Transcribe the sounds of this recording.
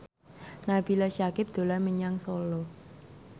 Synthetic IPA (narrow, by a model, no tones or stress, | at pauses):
nab̥ilaʃakɪp̚d̪̥o̤laməɲaŋsolɔ